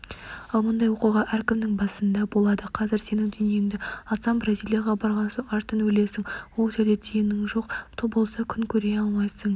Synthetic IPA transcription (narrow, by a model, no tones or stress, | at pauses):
ɑlˠmʊnd̪ɑjwo̞quʁɑʔæɾkʲɪmd̪ɪŋbɑsənd̪ɑbo̞lˠɑd̪əqʰɑzɪɾse̞nɪŋd̪ʏnje̞ŋd̪ɪɑsɑnbrazijlʲˠijaʁɑbɑɾʁɑnsoɴɑɾt̪ənwɵle̞sɪŋwolˠʒæɾd̪et̪ʰejɪnɪŋʒo̞qt̪ʰobo̞lˠsɑkʲʰʏnkʲʰɵɾe̞ɑlˠmɑjsəɴ